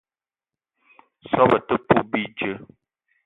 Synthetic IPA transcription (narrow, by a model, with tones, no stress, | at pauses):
sɔ˦bə˨tə˦pu˦bi˦d͡ʒə˦